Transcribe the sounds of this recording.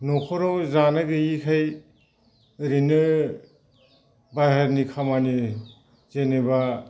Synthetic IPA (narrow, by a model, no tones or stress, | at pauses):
nɔkʰɔɾɔwzanɯɡɯikʰaj | ɾinɯ | baɦaɾnikʰamani | zeneba